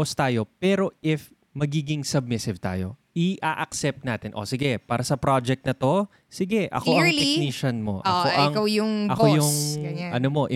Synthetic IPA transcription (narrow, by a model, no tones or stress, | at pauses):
ost̪aːjo̞pɛːɾo̞ʔɪf | mɐɡiːɡɪŋsɐb̚mɪsɪvt̪a̰ːjo̞̰ʔɪʔaʔɐksɛp̚t̪̚naːt̪ɪnʔo̰sɪɡɛpaːɾɐsɐpɾad͡ʒɛk̚t̪̚nɐt̪o̞ | sɪɡɛʔɐ̰ko̞ʔɐŋtɪniːʃɐnmo̞̰ʔɐ̰koʔɐŋkawjʊŋɐkojʊŋʔɐnomo̞ʔɪ